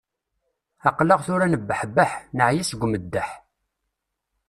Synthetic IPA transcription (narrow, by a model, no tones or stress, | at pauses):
ɑqləʁθʊɾænəbːəħbːaħnəʕjisəɡʷːməd̪ːəħ